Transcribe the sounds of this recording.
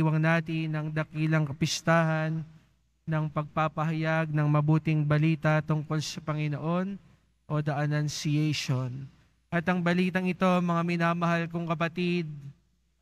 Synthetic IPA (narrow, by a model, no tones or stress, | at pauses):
wɐŋnaːt̪ɪnɐŋd̪ɐkilɐŋkɐpɪst̪aːhɐnː | ɐŋpɐɡ̚papɐɦɐjaɡ̚nɐŋmɐbuːt̪ɪŋbɐliːt̪ɐt̪ʊŋko̞lsɐpɐŋɪno̞ʔo̞n | ʔo̞d̪ɐʔɐnɐnsɪɛjʃon | ʔɐt̪ɐŋbɐliːt̪ɐŋɪt̪o̞mɐŋamɪnamɐhalkoŋkɐpɐt̪id̪̚